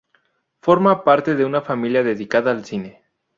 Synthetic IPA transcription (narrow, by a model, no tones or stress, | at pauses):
fo̞ɾmapaɾt̪e̞ðe̞unafamiljaðe̞ðikaðaːlsine